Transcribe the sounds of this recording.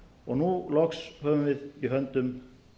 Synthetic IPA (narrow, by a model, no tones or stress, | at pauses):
ɔ̰ɣnulɔkshœːvʏmvɪðiɦœnt̪ʏm